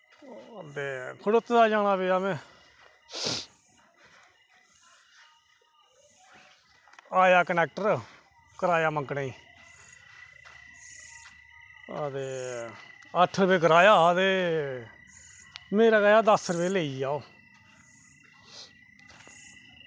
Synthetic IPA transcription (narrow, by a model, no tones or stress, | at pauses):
t̪eːkʰʊɽʊt̪ːd̪aːd͡ʒaːɽ̃aːbiːamɛ̃ː | aːjaːkənɛːk̚ʈəɾ | kəɾaːjaːməŋkɽaːiː | ət̪eː | əʈʰɾəbeːkəɾaːjaːt̪eː | meːɾaːɡəːjaːd̪əsɾəʋeːleːiːaːoː